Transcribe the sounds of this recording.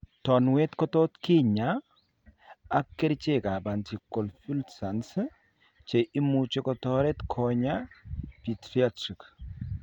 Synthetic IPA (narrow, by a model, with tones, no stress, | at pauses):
tɔ˨nwɛ˦t̪kɔ˦tɔ˦t̪ki˦ɲa˨˦ | kːe˦ɾt͡ʃe˦˨ka˨ba˨nti˨kːɔ˨lfu˦ltsa˨ns | t͡ʃe˨ʔi˦mut͡ʃe˦kɔtɔ˦ɾɛ˦t̪kʰɔɲa˦pi˨tɾi˦atɾi˨k